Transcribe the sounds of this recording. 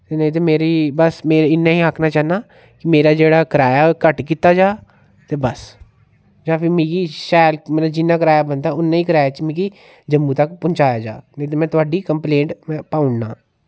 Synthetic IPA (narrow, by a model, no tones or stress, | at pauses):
t̪eːnəĩt̪̬eːmeːɾiːbəsmeːɾeɪnːãːĩːaːkʰnaːt͡ʃaːnaː | kɪmeːɾaːd͡ʒeːɽaːkəɾaːjaːkəʈkiːt̪aːd͡ʒaː | t̪eːbəs | d͡ʒãːpʰɪmĩːkiːʃaːlmẽːnaːd͡ʒɪnːaːkəɾaːjaːbənd̪aːʊnːãːĩːkəɾaːjaːt͡ʃmĩːkiː | d͡ʒəmːũːt̪əkpʊnt͡ʃaːjaːd͡ʒa̰ːnə̃ĩt̪̬eːmɛ̃ːt̪ʊaːɖiːkəmplẽːɳʈmɛ̃ːpaːʊɳnã̰ː